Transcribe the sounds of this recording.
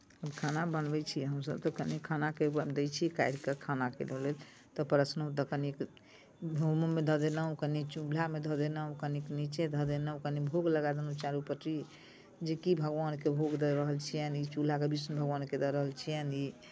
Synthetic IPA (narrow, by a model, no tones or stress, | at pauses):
əbkʰanabənbɛt͡ʃʰiɦəmsə̰b̚t̪ɔkənikʰanakekəd̪et͡ʃʰikajɾkəkʰanakḛlelel | t̪ɔpəɾəsnot̪əkənik | bʱomumed̪ʱəd̪enəũkənit͡ʃulamed̪ʱəd̪enə̃kəniknit͡ʃed̪ʱəd̪enəkənibʱoɡləɡad̪enut͡ʃaɾupət̪ɾi | d͡ʒekibʱəɡʋankebʱoɡd̪əɾəɦəlt͡ʃʰijənit͡ʃul̤akebisnbʱəɡʋanked̪əɾəɦəlt͡ʃʰijəni